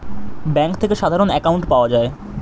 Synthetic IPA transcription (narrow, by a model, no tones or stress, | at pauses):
bɛŋkt̪ʰekeʃad̪ʱaɾonɛkawɳʈpaoad͡ʑae